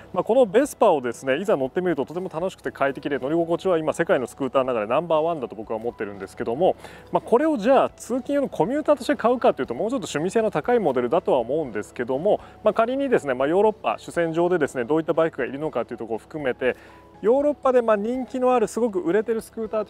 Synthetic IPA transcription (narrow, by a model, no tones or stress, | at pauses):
mako̞no̞be̞sɨ̥pao̞d̪e̞sɨne̞izano̞t̪ːe̞mʲiɾɯ̟t̪ot̪o̞t̪e̞mo̞t̪ano̞ɕi̥kɯ̟̥t̪e̞kʰait̪e̞kʲid̪e̞no̞ɾʲiɡo̞ko̞t͡ɕiβaimase̞kaino̞sɨ̥kɯ̟ːt̪aːnoaɡad̪e̞nãmbaːβãnd̪at̪o̞bo̞kɯβaomo̞t̪ːe̞ɾɯ̟̃nd̪e̞sɨ̥ke̞d̪o̞mo̞ | mako̞ɾe̞o̞ʑaːt͡sɨːkʲĩjonokʰo̞mʲɯːt̪aːt̪o̞ɕit̪ekaɯ̟kat̪ːe̞iɯ̟t̪omo̞ːt͡ɕo̞t̪ːo̞ɕɨ̟mʲise̞ːno̞t̪akaimo̞d̪e̞ɾɯ̟d̪at̪o̞βaomo̞ɯ̟̃nd̪e̞sɨ̥ke̞d̪o̞mo̞makaɾʲiɲ̟id̪e̞sɨne̞majo̞ːɾo̞pːa̰ɕɨ̥sẽ̞ɲ̟d͡ʑo̞ːd̪e̞d̪e̞sɨne̞d̪o̞ːit̪ːabaikɯ̟ɡaiɾʲɯ̟no̞kat̪ːeiɯ̟t̪o̞koːɸɯ̟̥kɯ̟me̞t̪e̞ | jo̞ːɾo̞pːad̪e̞maɲ̟ĩŋkʲino̞aɾɯ̟sɨɡo̞k̬ɯ̟ʔɯ̟ɾe̞t̪e̞ɾɯ̟sɨ̥kɯ̟ːt̪aːt̪